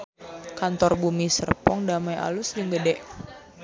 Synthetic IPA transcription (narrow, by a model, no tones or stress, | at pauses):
kant̪ɔrbumisərpɔŋdamajʔa̰lʊsdiŋɡədɛʔ